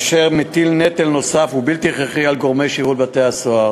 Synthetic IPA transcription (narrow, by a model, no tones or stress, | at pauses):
ʃeʁmet̪ilnet̪elno̞safubilt̪iχeχialɡo̞ʁme̞jʃiʁulbat̪easoa